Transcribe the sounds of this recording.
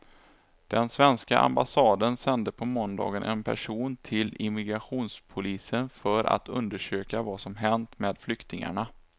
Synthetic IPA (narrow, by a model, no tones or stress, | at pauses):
d̪̥ɛnsvɛnska̰ʔa̰mbasɑːd̪ənsɛnd̪əpʰɔmɔnd̪ɑ̰ːɡənʔɛ̰npʰæ̰ʂuːnt̪ʰɪlɪmɪɡɾaɧuːnspʰʊliːsənfœɾa̰t̪ʰɵ̰nd̪əʂøːkavasɔmɦɛnt̪meːd̪flʏkt̪ɪŋa̰ɳa